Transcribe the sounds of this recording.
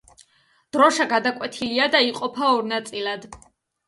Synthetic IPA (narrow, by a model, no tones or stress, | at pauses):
d̪̥ɾɔʃaɡad̪akʼwɛt̪ʰiliad̪aiqʼɔpʰaɔɾnat̪sʼilˠad̪